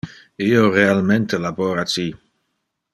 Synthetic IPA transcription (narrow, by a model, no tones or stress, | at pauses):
ioɾealment̪elaboɾat͡ʃi